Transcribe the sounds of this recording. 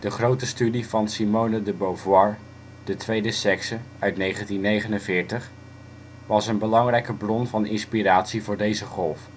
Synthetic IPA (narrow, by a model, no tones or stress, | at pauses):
d̥əχrowtəstydivɑnsimownədəbowvwɑɹ | d̥ətʋejdəsɛksə | œɥtnejχəntinːejχənənvɪːɹtəχ | ʋɑsənbəlɑŋrɛjkəbrɔnvɑnɪnspiraːtsivʊːɹdejzəχɔlˠf